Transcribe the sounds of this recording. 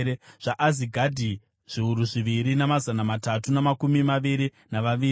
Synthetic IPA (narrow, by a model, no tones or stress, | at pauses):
eʐ̥aʔaziɡʱadʱi | ʐ̥iuɾuʐiʋiɾinamazanamatatunamakumimaʋiɾi | naʋaʋiːi